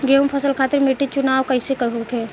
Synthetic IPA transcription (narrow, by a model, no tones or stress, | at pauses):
ɡempʰɐsəlkʰaːt̪ɪɾmeːʈit͡ʃʊnaːʋkəɪsekəɦokɛː